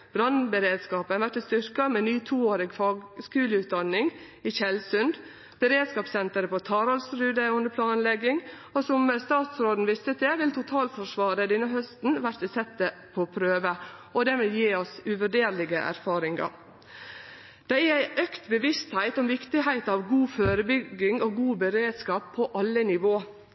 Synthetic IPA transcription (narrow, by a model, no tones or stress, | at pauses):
b̥ɾɑnbəɾeːd̪skɑːpənʋæʈ̪ɪst̪ʏɾkɑmeːnyːt̪ʰuːoːɾɪɡfɑːɡskʉːləʉːt̪̚d̪ɑnːɪŋ | ɪçɛlsʉnd̪ | b̥əɾeːd̪skɑːpsɛnt̪əɾəpɔt̪ʰɑːɾɑlsɾʉːd̪əʊnd̪əpʰlɑːnlɛɡːɪŋ | ɔsɔmst̪ɑːt̪sɾoːd̪n̩ʋɪst̪ət̪ɛʋɪlt̪ʰʊt̪ʰɑːlfɔʂʋɑːɾəd̪ɛnːəɦœst̪n̩ʋæɾt̪ɪsɛt̪ːəpʰɔpʰɾøːʋəɔd̪ɛʋɪljiːɔsʉʋæɖeːɾlɪɡəʔæ̰ɾfɑːɾɪŋɑ̰ɾ | d̪̥ɛææɪʔœkt̪bəʋɪst̪hæɪt̪ɔmʋɪkt̪ɪɦæɪt̪ɑːʋɡuːføːɾəbʏɡɪŋoɡuːbəɾeːd̪skɑːpʰːɔʔɑlːənɪʋoː